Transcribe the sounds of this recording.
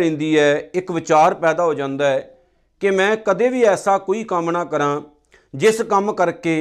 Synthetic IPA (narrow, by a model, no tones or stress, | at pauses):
ɪ̃ːnd̪iːɛːɪkʋɪt͡ʃaːɾpɛːd̪aːɦoːd͡ʒãːnd̪aːɛː | kɪmɛ̃ːkəd̪eːʋiːɛːsaːkoːiːkəmnaːkəɾãː | d͡ʒɪskəmkəɾkeː